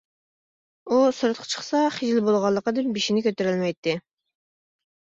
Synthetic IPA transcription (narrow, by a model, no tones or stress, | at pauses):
usɨɾɨt̪qʰɑ̥t͡ʃʰə̥χsɑχid͡ʒlɪbolˠʁɑlˠːəqəd̪ɨnbiʃinɪkʲʰøt̪eɾylmɛjt̪ːɪ